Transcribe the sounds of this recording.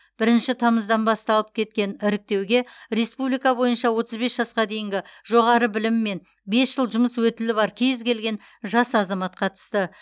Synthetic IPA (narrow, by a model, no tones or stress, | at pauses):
b̥ɪɾɪnʃɪt̪ʰɑməzd̪ɑnbɑst̪ɑlˠəp̚kʲʰe̞t̪̚kʲe̞nɪɾɪk̚t̪e̞wɡʲe̞ɾe̞spublijkɑbo̞jənʃɑwo̞t̪əzbe̞sʒ̥ɑsqɑd̪e̞jɪŋɡʲɪʒ̥o̞ʁɑɾəbɪlɪmːe̞n | be̞sʒ̥əlˠʒʊməswɵt̪ɪlɪbɑɾkʲʰejzkʲe̞lɡʲe̞n | ʒɑsɑzɑmɑt̪̚qʰɑt̪ə̥st̪ə